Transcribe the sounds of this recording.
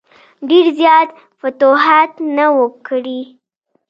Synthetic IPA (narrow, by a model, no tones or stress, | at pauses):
ɖeɾzjɑt̪ | fat̪oɦat̪nawəkɽi